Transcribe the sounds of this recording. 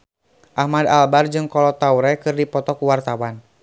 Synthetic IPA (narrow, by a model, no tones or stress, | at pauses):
ʔahmadalbard͡ʒɨŋkɔlɔt̪auɾɛkɨrdipɔt̪ɔkuwart̪awan